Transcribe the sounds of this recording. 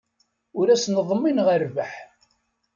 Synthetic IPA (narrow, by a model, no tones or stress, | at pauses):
ʊɾæsnəðˤmːinʁəɾvəħ